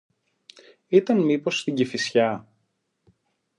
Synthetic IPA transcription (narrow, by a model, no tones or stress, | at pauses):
it̪ɐnmipo̞st̪iɲɟifisçɐ